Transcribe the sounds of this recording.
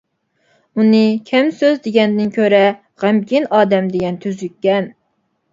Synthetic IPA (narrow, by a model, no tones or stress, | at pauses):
unɨkʲʰɛmsøzd̪eɡʲɛnd̪ɪnkʲʰøɾɛ | ʁæmkʲinɑːd̪ɛmd̪eɡʲɛnt̪ʰyzykʲːɛn